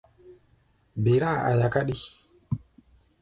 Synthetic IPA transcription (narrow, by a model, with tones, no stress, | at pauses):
be˨ɾa˦˨a̰˨ja˨ka˦ɗi˦